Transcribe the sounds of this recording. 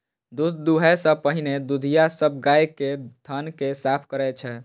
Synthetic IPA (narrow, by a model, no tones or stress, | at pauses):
d̪ud̪d̪uɦɛsə̃pəɦined̪ud̪ʱijasəb̚ʱɡajket̪ʰənkesapʰkəɾɛt͡ʃʰɛ